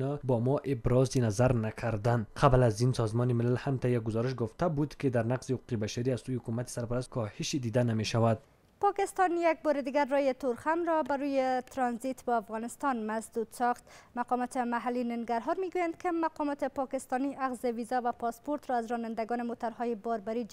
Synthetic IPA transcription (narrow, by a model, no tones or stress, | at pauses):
ɔbɔmɔʔɪbɾɒzinazaɾnakʰaɾd̪anqʰablazinsɔzmɔnemɪlalhamt̪ajːak̚ɡʊzɔɾɪʃ̬ɡʊft̪abud̪ked̪aɾnaqz̥ehʊqu̥qebaʃaɾiazsojehʊkumat̪e̥saɾpaɾast̪kʰɔhɪʃed̪id̪anameʃawad̪̚ | pɒkɪst̪ɔnjak̚bɔɾɪd̪iɡaɾːɔjɪt̪oɾxamɾɔbaɾujet̪ɾɒnzit̪bɒafɣɔnɪst̪ɔnmasd̪ud̪sɒxt̪maqɒmɔt̪ɪmaɦalːinɪŋɡaɾɦɔɾmiɡujand̪kɪmaqɔmɔt̪ɪpɒkɪst̪ɔniʔaɣzɪvizɔvapɒspoɾt̪ɾɔazɾɔnand̪aɡɔnɪmot̪aɾhɔjɪbɒɾbaɾi